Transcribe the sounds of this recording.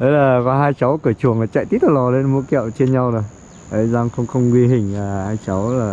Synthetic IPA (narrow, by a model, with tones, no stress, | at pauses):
ɗə˨˦jlaː˨˩kɔ˨˦ɦaː˧jt͡ɕa˨˦wkɨ˧˩ət͡ɕu˨˩əŋlaː˨˩t͡ɕa̰˧˨jt̪i˦˥t̪̚a˨˩lɔ˨˩le˧nmṵ˧˦kɛ̰˧˨wt͡ɕe˧nɲa˧wɗo˨˩j | ʔə˨˦jzaː˧ŋxə˧wŋ͡mxə˧wŋ͡mkwi˧ɦï˨˩ŋ̟aː˨˩haː˧jt͡ɕa˨˦wlaː˨˩